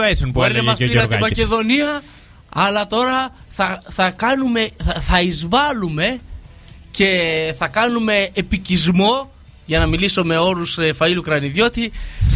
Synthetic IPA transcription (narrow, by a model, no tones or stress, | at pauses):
esunbeɾnemɐsiɐimɐceðo̞niɐ | ɐlɐt̪o̞ɾɐ | θɐθɐkɐnume̞θɐizvɐlume̞ | ce̞θɐkɐnume̞ːpicizmo̞ | ʝɐnɐmilisome̞o̞ɾusefɐilukɾɐniðjo̞t̪i